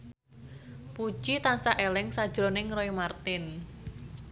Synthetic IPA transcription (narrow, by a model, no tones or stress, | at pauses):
pu̥ʒ̥it̪ansaʔelɪŋsḁʒ̥ɾonɪŋroimart̪ɪn